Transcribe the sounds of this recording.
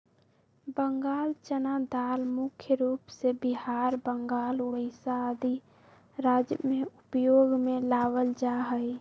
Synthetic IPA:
bəŋɡaːlt͡ʃənad̪almʊkʰjəɾuːpsebiɦaːɾbəŋɡaːlʊɽəɪsaəd̪i | ɾad͡ʒjəmeupjoːɡmelaʋəld͡ʒaɦəj

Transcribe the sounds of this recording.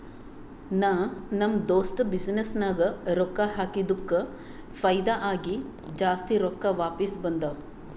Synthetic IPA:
naːnɐmd̪oːsʈbisnesnaːɡɐɾɔkːɐɦaːkid̪ukːɐ | pʰɐjd̪aʔaːɡi | d͡ʒaːst̪iɾɔkːɐʋaːpisbɐnd̪ɐ

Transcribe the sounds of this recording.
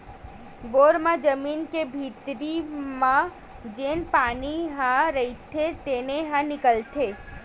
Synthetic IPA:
boːɾmãd͡ʒəmiːnkebʱiːt̪ɾimã | d͡ʒeːnpaːniɦãɾɐit̪ʰet̪eːneɦãnɪkəlt̪ʰeː

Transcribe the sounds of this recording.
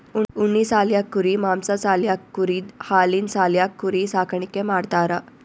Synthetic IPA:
uuɳːiːsaljakːuɾiːmamsat͡saljakːuɾiːd̪haliːnsaljakːuɾisakʰɳikẽmaɽt̪aɾa

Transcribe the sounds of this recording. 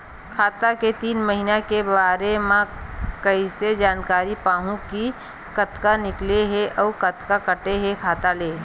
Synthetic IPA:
kʰaːt̪aket̪iːnməɦinakebaːɾemãkəised͡ʒaːnkaːɾipaːɦũki | kət̪kanɪkleɦeʔɔːɾkət̪kakəʈeɦekʰaːt̪aleː

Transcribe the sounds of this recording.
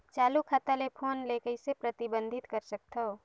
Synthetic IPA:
t͡ʃaːlukʰat̪alepʰoːnlekəisepɾət̪ibə̃nd̪ʱɪt̪kəɾsək̚t̪ʰo

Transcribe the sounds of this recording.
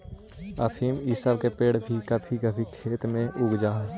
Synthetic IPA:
əpʰiːmisəbkepeːɽbʱikəbʰiɡəbʰʱikʰeːt̪mẽʔʊɡd͡ʒaː

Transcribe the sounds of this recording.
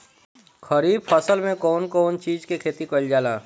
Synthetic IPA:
xʰəɾiːbfəsəlmẽkɔːnkɔːnt͡ʃiːzkekʰeːt̪ikəld͡ʒaːlaː

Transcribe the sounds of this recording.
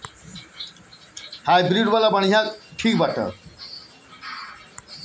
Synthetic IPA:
hajbɾiɖʋalabəɳ̤̃ijak̪ʈʰiːk̚baʈə̰

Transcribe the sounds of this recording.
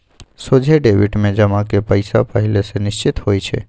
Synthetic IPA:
sod͡ʒʱeɖeʋiʈmẽd͡ʒəmãkepəjsapəɦilesenɪʃt͡ʃit̪ɦojt͡ʃʰḛ

